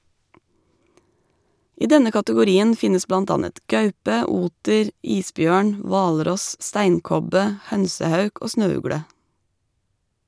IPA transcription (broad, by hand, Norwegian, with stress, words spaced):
ˈiː ˈdɛnə kɑtəɡʊˈɾiːən ˈfɪnəs ˈblɑnt ˈɑnət ˈɡɑʉpə ˈuːtəɾ ˈiːsˌbjøːɳ ˈʋɑːlˌɾɔs ˈstæɪnˌkɔbə ˈhœnsəˌhɑʉk ˈoː ˈsnøːˌʉɡɽə